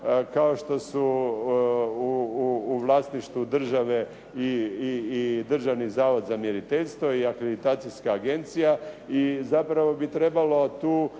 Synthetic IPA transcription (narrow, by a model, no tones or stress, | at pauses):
kao̞ʃt̪o̞su | uːʋlˠaːsniʃt̪ʋud̪r̩ʒaʋe̞ | iiːd̪r̩ʒaʋnizaːʋo̞d̪zamjeɾit̪eʎʲst̪ʋo̞iakɾed̪it̪aːt̪sijskaːɡe̞nt̪sijaizapɾaʋo̞bit̪ɾe̞balo̞t̪uː